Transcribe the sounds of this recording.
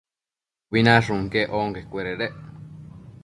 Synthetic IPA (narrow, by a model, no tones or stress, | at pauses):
βinãʂũŋkeʔoŋkekʷeɾeɾeʔ